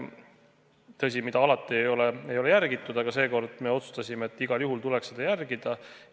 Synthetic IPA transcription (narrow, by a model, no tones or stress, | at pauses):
t̪ɤs̬ʲimid̪̥ɑɑlɑt̪ːˑiejo̞leejo̞lejærɡit̪ːˑud̪̥ɑɡ̥ɑse̞ːko̞rd̪̥me̞o̞t̪su̥st̪ɑsʲimeet̪ːˑiɡ̥ɑljuɦult̪ulɛksed̪̥ɑjærɡid̪̥ɑ